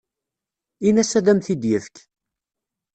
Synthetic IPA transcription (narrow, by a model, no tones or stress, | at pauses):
inæsæðæmθid̪jəfk